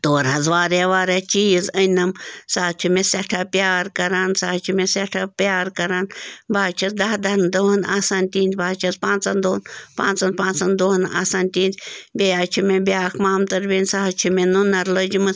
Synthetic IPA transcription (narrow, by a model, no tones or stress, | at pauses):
t̪oːɾɦɐzʋaːɾeʋaːɾet͡ʃijizənɐmsaːt͡ʃʰumẽsɛʈʰapjaːɾkɐɾaːnsaːt͡ʃʰumẽseʈʰapjaːɾkɐɾanbaːt͡ʃʰɐzd̪ɐɦd̪ɐnd̪oɦɐnaːsaːnt̪iːnʲt̪baːt͡ʃʰɐzpãːnt͡sɐnd̪oːnpã̰ːnt͡sɐnpãːnt͡sɐnd̪oːɦna̰ːsaːnt̪iːnt̪bʲejaːt͡ʃʰumẽbiaːkʰmaːmt̪ɐɾbʲeːnʲsaːt͡ʃʰumẽnunɐɾləd͡ʒimɨ